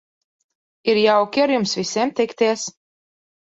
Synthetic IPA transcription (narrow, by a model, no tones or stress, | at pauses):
iɾjawkʲiaɾjumsvisʲiɛmt̪ɛkt̪iɛs